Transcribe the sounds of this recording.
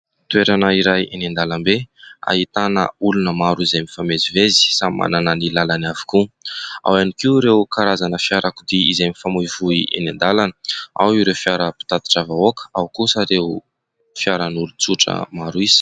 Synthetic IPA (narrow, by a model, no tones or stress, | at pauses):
t̪weɾanaiɾajʔenend̪alambea̰it̪anə̰ulunəmaɾuizemifamezivezi̥samma̰nananilalanavi̥kua̰wanikiuɾewkaɾazanəfjaɾakud̪iizemifamuvuiʔḛnend̪alanəawiɾewfjaɾəpi̥t̪at̪i̥ʈ͡ʂavaokə̥awkusəɾeu | fjaɾanulut͡suʈ͡ʂə̰maɾuiz̥i̥